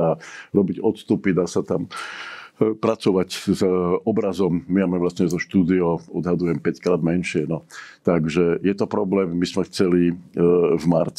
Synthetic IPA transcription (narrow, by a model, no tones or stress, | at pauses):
aɾɔbiɟɔt̪st̪upid̪aːsat̪am | pɾat͡sɔʋaczɔbɾazɔmːiamɛʋlasɲɛzɔʃt̪uːd̪iɔɔd̪ɦad̪ujɛmpɛckɾaːd̪mɛnʃɪɛnɔt̪aɡʒɛjɛt̪ɔpɾɔblɛːmːizmɛxt͡sɛli | vmaɾt͡s